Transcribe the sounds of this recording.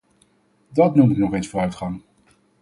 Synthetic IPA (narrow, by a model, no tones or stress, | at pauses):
dɑtnumɪknɔχejnsfʊːrœɥtχɑŋ